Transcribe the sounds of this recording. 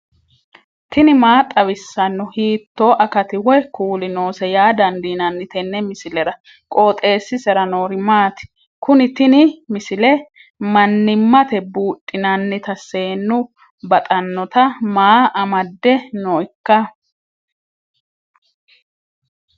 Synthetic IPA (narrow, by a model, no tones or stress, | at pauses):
t̪ɪnɪmaːt̪ʼɐβɪsːɐnːʊhiːt̪ːoːʔɐkɐt̪ɪwɔjkuːlɪnoːsɛjaːd̪ɐnd̪inɐnːɪt̪ɛnːɛmɪsɪlɛɾɐ | kʼoːt̪ʼe̞ːsːɪsɛɾɐnoːɾɪmaːt̪ɪ̥ | kʊnɪt̪ɪnɪmɪsɪlɛ | mɐnːɪmːɐt̪ɛbuːtʼːɪnɐnːɪt̪ɐsːe̞ːnːʊ | bɐt̪ʼɐnːɔt̪ɐmaːʔɐmɐd̪ːɛnoɪkːɐ